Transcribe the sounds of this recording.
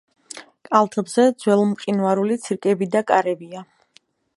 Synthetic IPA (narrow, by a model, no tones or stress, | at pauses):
kʼalˠt̪ʰɛbz̥ɛd̪z̥wɛlˠɔmqʼinaɾulit̪sʰiɾkʼɛbid̪akʼaɾɛbia